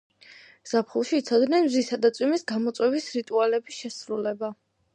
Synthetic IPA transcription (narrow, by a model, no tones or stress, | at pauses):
z̥apʰχulˠʃiːt̪sʰɔd̪nɛnmzisad̪at̪sʼwimisɡamɔt̪sʼwɛvisɾit̪ʼualɛbisʃɛsɾulɛba